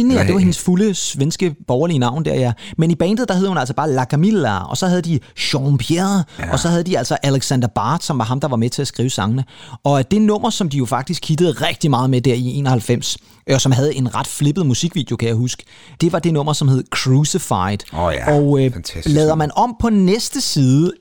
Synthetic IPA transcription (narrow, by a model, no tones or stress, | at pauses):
d̥e̝ʋɑ̈he̝nəsfuləsʋensɡ̥əb̥ɒʊɐliənɑ̈ʊ̰nd̥æɐ̰jæmenib̥ɛːnd̥ð̩ˠd̥ɑɦe̝ð̞ˠhunælsɒ̽b̥ɑ̈ːlækʰæmilæɒ̽sɒ̽hæð̞ˠd̥iɕɒmpʰjeɐð̩ˠʔɒ̽sɒ̽hæð̞ˠəd̥iæl̰sɒ̽ʔæleɡ̥sænd̥ɐb̥ɑ̈ːd̥sɒ̽mʋɑ̈ɦɑ̈md̥ɑ̈ʋɑ̈met͡sʰe̝æsɡ̥ʁḭːʊəsɑ̈ŋənəɒ̽d̥e̝nɔ̽m̰ɐsɒ̽md̥ijo̝fɑ̈ɡ̥̚d̥isɡ̥̚ʰid̥əð̩ˠʁɛɡ̥d̥imɑ̈ːðˠmed̥æɐ̰ie̝̰ːnɒhælfem̰s | sɒ̽mɦæð̞ˠe̝nʁɑ̈d̥fle̝b̥əð̞̩ˠmusiɡ̥ʋḭːd̥jo̝kʰæjæahusɡ̥ə̥ | d̥e̝ʋɑ̈d̥e̝nɔ̽m̰ɐsɒ̽mhe̝ð̞ˠəkʰʁusifɑ̈ɪd̥ɒʊlɛːðˠɐmænɒ̽m̰pʰɒ̽nesd̥əsiːðˠə